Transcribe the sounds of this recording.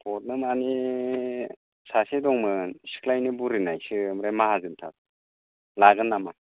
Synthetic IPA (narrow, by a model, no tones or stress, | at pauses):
pʰɔt̚nɯmani | sasedɔŋmɯsi̥kʰlajnibuɾinajsɯmɾajmahazɯntʰa̰t̚ | laɡɯnːama